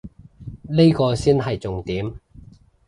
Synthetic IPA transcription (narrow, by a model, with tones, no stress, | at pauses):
le˥jkɔː˧siː˥nɦɐ˨jt͡sʊ˨ŋt̪iː˨˥m